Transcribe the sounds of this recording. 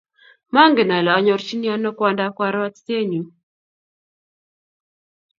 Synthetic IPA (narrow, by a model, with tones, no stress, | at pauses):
ma˦ŋɡe˨na˨lɔ˨a˨ɲɔ˨ɾt͡ʃi˦ni˦a˦nɔ˦kwa˦nda˦kwa˦ɾwa˦tte˦ɲu˨